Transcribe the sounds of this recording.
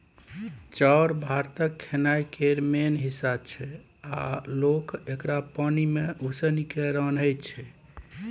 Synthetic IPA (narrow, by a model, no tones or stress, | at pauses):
t͡ʃaɾbʱaɾt̪əkʰːenajkeɾmenɦisab̚t͡ʃʰɛ | a̰lokekɾapanimeusənikeɾənɦəjt͡ʃʰɛ